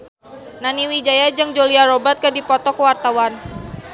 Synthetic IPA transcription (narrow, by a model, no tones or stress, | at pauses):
naniwid͡ʒajad͡ʒɨŋd͡ʒoliaɾobərt̪̚kədipɔt̪ɔkəwart̪awan